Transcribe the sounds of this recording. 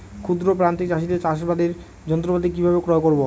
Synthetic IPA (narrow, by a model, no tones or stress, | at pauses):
kʰud̪ɾop̬ɾant̪it͡ɕaʃit̪et͡ɕaʃ̬bad̪eɾ | d͡ʑɔnt̪ɾopad̪ik̬ibʱabekɾɔekoɾbo